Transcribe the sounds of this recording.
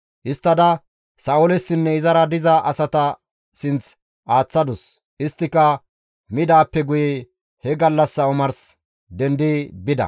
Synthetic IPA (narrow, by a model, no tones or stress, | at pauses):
ʔɪst̪ːɐd̪ɐ | sɐːʊlɛsːɪnːɛɪzɐɾɐd̪ɪzɐʔɐsɐt̪ɐ | sɪnt͡s | ʔaːt͡sːɐd̪ʊs | ʔɪst̪ːɪkːɐ | mɪd̪aːpːɛɡʊjɛ | hɛɡɐlːɐsːɐɔmɐɾs | d̪ɛnd̪ɪbɪd̪ɐ̰